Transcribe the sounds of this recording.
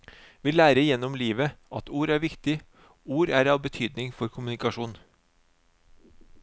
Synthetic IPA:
ʋiːlæːɾəjɛnɔmliːʋəʔɑt̪uːɾæːɾʋɪkt̪ɪ | uːɾæːɾɑːʋbət̪ʰyːd̪nɪŋfɔɾkʰʊmʉnɪkɑʃuːn

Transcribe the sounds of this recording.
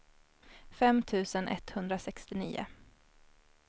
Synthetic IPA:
fɛmːt̪ʰʉ̟ːsənʔɛ̰t̪hɵnd̪ɾasɛkst̪ɪnḭːʊ̰

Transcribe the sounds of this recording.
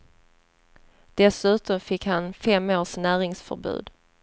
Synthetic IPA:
d̪̥ɛsʉ̟ːt̪ɔmfɪkhanfɛmːoːʂnæːɾɪŋsfœ̰ɾbʉ̟̰ːd̪

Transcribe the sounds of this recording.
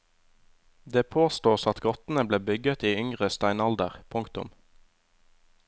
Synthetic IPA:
d̪eːpʰoːst̪uːsɑt̪ɡɔt̪n̩əbleːbʏɡət̪iːʏŋʁəst̪æɪnɑld̪əʁpʰʊŋkt̪ʊ̰m

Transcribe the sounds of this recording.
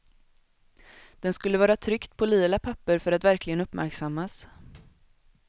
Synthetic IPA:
d̪̥ɛnskɵlːəvɑːɾat̪ʰɾʏkt̪pʰɔliːlapʰapːəɾfœɾat̪væɾklɪɡənɵpːmʔæ̰ɾksamːas

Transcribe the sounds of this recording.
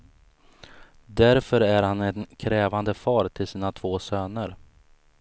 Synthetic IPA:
d̪æɾfœɾæɾhanɛnkʰɾɛːvand̪əfɑːɾt̪ʰɪlsiːnat̪ʰv̥oːsøːnəɾ

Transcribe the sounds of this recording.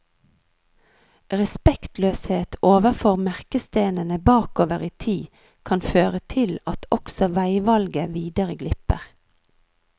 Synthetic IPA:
ʁɛspɛkt̪løːsheːt̪oːʋəfoːʁmæʁkəst̪eːnənəbɑːkoːʋəʁiːt̪ʰiː | kʰɑnføːʁət̪ʰɪlɑt̪ʰɔksɔʋæɪʋɑlɡəʋiːd̪əʁəɡlɪpə̰ʁ

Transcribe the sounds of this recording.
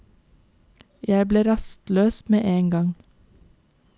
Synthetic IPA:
jæɪbleːɾɑst̪løːsmeːʔeːŋɡɑŋ

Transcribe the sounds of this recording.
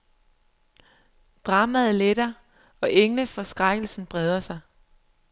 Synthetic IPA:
d̥ʁɑ̈ːmæð̩ˠled̥ɐ | ɒ̽ʔeŋləfɒ̽sɡ̥ʁaɡ̥l̩sn̩b̥ʁɛð̞ˠɐsɑ̈ɪ

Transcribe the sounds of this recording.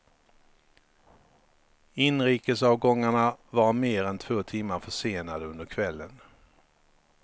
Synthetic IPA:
ɪnɾiːkəsɑːvɡɔŋːaɳavaɾmeːɾɛnt̪ʰvoːt̪ʰɪmːaɾfœʂeːnad̪əɵnd̪əɾkʰvɛlːən

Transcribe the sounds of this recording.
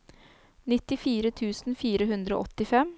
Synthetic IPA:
nɪt̪ːɪfiːɾət̪ʰʉːsnfiːɾəhʉnd̪ɾəo̰ʔɔt̪ɪfɛm

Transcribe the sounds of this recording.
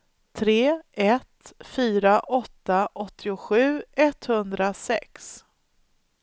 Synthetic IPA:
t̪ʰɾeːɛt̪fyːɾaʔɔt̪ːaʔɔt̪ʰːɪʊɧʉ̟ːɛt̪hɵnd̪ɾasɛ̰ks

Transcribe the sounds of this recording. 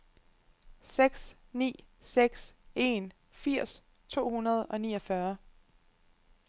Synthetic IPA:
seɡ̥snḭːseɡ̥se̝n | fiɐ̰s | t͡sʰo̝̰ːhunɐð̞ˠɒ̽nḭːɒ̽fɶɐ

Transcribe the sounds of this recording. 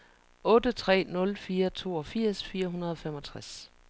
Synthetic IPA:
ɔ̽ːd̥ət͡sʰʁɛ̰ːnɔ̽lfiːɐt͡sʰo̝̰ːɒfiɐ̰sfiːɐɦunɐð̞ˠɒ̽femɒ̽t͡sʰʁas

